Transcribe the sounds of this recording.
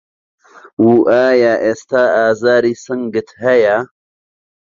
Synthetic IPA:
wuʔaːjaʔest̪aːaːzaːɾisɐŋɡɨt̪hɐja

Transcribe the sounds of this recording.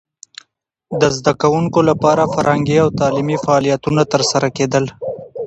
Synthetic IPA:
d̪əzd̪akawuŋkolapɑɾafaɾaŋɡiawt̪ɑlimifaːlijat̪unat̪əɾsaɾaked̪əl

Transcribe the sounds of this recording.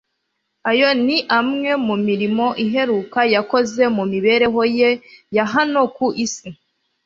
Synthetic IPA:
ajo̞niʔamŋe̞mumiɾimo̞ʔiɦe̞ɾuːkajako̞ze̞mumiβe̞ɾe̞ɦo̞jejaɦano̞kuʔisi

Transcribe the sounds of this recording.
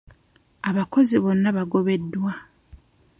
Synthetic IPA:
aβako̞ziβo̞nːaβaɡo̞βe̞dːwa

